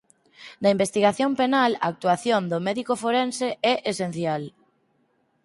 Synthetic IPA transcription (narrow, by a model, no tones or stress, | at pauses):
nɐimbest̪iɣaθjompenalaːk̚t̪uaθjond̪omɛðikofoɾenseɛʔesen̟θjal